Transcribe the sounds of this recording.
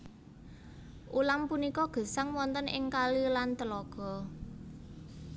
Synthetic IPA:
ʔulampunikɔɡ̥ə̤saŋwɔnt̪ənɪŋkalilant̪əlɔɡ̥ɔ̤

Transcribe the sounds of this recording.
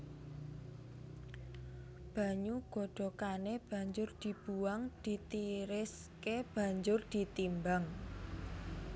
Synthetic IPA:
b̥a̤ɲuɡ̥o̤ɖ̪̥ɔ̤kaneb̥a̤ɲd͡ʒʊrd̪̥i̤b̥uwaŋd̪̥i̤t̪iɾɪs | keb̥a̤ɲd͡ʒʊrd̪̥i̤t̪imbaŋ

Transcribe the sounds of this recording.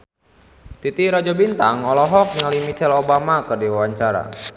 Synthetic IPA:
t̪it̪iɾɔd͡ʒabint̪aŋɔlɔɦɔk̚nŋalimit͡ʃɛlobamakərdiwawaɲt͡ʃaɾa̰

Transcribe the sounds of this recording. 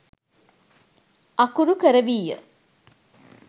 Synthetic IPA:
akuɾukəɾəʋiːjə̰

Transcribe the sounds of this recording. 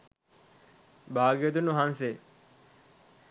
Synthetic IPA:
bʱaːɡijət̪unːuɦanse

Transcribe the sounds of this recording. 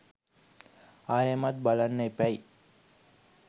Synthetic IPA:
aːjemat̪̚balanːəepæj

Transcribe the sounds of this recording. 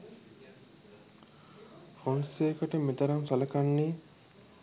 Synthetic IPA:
fonseːkɐʈɐmit̪ɐɾɐnsɐlɐkɐnːiː

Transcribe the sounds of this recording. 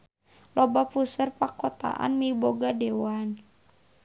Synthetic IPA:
lɔbapusərpakɔt̪a̰ʔa̰nmiboɡadɛwan

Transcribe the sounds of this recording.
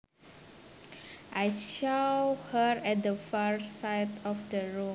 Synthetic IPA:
ʔajʃawhəɹɛt̚dəfaɹsajtɔfdəɹũ

